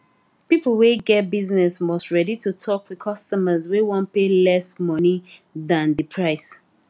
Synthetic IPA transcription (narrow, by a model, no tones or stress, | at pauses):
pipl̩ˠweɡɛt̚biznɛsmɔstɹɛditʰutʰɔkwikʰʌstɔməzwewɔ̃npelɛsmʌniðãnðəpʰɹaɪs